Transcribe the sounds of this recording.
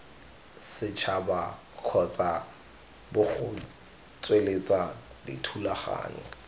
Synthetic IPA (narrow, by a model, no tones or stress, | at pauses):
sɪt͡ʃʰaba | kʰɔt͡sʼa | bʊχʊ | t͡sʼwelet͡sʼa | dɪtʰulaχa̰ːɲɛ̰